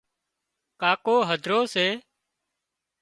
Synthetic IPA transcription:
kaːkoːɦəd̪ʱɾoːseː

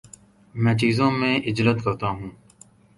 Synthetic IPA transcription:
mɛ̃ːt͡ʃiːzõːmẽːʔɪd͡ʒlət̪kəɾt̪aːɦũː

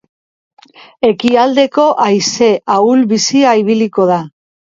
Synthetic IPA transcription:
e̞kiald̪e̞ko̞ʔajse̞ʔaulβisiaiβ̞iliko̞ð̞a

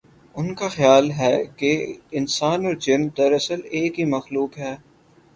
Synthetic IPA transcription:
ʊnkaxjaːlɦɛːkeɪnsaːnɔːɾd͡ʒɪnmd̪ɐɾɐsəleːkɦimɐxluːkɦɛː

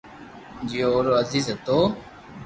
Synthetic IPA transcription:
d͡ʒijooːɾoːəziːzet̪oː

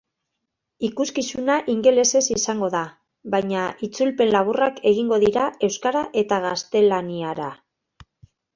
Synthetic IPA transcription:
ikuskisunaʔiŋɡe̞le̞se̞sisaŋɡo̞ða | βajɲaʔit͡sulpe̞nlaβurakʰe̞ɣ̞iŋɡo̞ðiɾae̞wskaɾaʔe̞t̪aɣast̪e̞laniaɾa

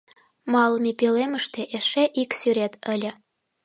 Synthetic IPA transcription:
mɑlˠəmipeleməʃt̪eʔeʃeʔiksyɾet̪əlʲə̆

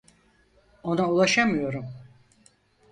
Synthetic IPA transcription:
o̞naulˠaʃamɯjo̞ɾum

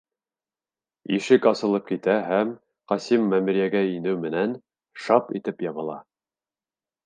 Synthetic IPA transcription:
iʃɘkɑsɤ̆lˠɤp̚kit̪æɦæm | qɑsimːæmɘ̆ɾjæɡæinɘwmɘ̆næn | ʃɑpḭt̪ɘpjɑβɤ̆lˠɑ̰

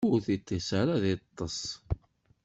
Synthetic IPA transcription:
uθit̪ːisaɾaðit̪ˤːəsˤ

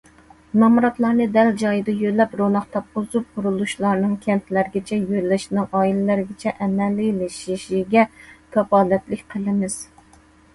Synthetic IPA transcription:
nɑmuɾɑt̪lˠɑɾnɨd̪ɛld͡ʒɑjɨd̪ɑjølːɛpɾonɑχt̪ʰɑp̚qʊzup̚qʰʊɾulˠuʃlˠɑɾnɨŋkʲʰɛnt̪ʰlæɾɪɡʲɛt͡ʃʰɛjøɾlɪʃnɨŋʔɑːilɪlæɾɪɡʲɪt͡ʃʰɛʔɛmːɛlɪjlɪʃiʃiɡʲɛkʰɑpɑːlɛt̪lɪkʲqʰəlˠɨmɪz̥

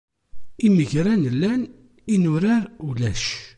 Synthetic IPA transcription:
iməʝɾænəlːæn | inʊɾaɾulæʃ

